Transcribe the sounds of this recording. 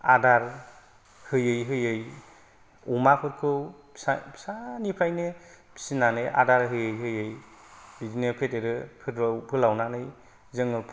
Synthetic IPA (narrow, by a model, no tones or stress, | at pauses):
adaɾ | hɯjɯjɦɯjɯj | umakʰɯt̚kʰɯw | sapʰsanipʰajne | pʰi̥sinanɯjʔa̰daɾɦɯjɯjɦɯjɯj | izinepʰeteɾɯpʰɯpʰɯlawnanɯj | zɯŋɯpʰ